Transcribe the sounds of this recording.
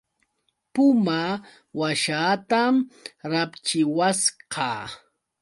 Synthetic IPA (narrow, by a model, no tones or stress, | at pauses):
pʊma | waʃaːt̪amɾapt͡ʃɪwasqɑ̰ː